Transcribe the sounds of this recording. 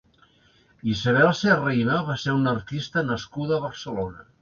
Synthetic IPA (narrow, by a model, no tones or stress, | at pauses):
izaβ̞ɛlˠserejnaβaseɾunəɾt̪ist̪ənəskuðəːβəɾsəlonə